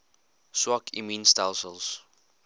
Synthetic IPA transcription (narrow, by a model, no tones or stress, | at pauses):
swɔkʰiminstalsəlˠs